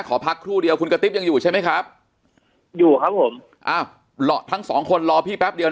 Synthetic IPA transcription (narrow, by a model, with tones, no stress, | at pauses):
kʰɔː˩˦pʰa˦˥kʰːɾuː˥˩di˧əwkʰu˧nka˧t̪i˦˥p̚ja˧ŋjuː˨˩t͡ɕʰa˥˩ma˦˥jkʰɾa˦˥p̚ | juː˨˩kʰa˦˥p̚ʰːo˩˦m | ʔaː˧˩w | lɔː˧t̪ʰa˦˥ŋsɔ̰ː˩˦ŋkʰo˧nlɔː˧pʰiː˥˩pɛ˦˥p̚di˧əw